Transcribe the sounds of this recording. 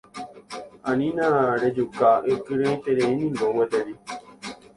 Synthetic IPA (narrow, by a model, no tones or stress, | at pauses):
anĩnãɾed͡ʒukaʔekɨɾeĩt̪eɾeĩnĩnbowed̪eɾi